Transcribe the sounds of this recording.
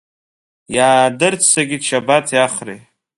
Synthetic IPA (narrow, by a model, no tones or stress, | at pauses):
jaːdɨrt͡sʰsaɡʲiʃabatʰjaχrḛ